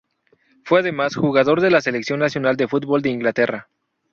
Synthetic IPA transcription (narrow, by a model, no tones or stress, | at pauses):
fweaðe̞masxuɣaðo̞ɾðe̞lase̞leksjo̞nːasjo̞nald̪e̞fut̪̚bo̞ld̪e̞iŋɡlat̪e̞ra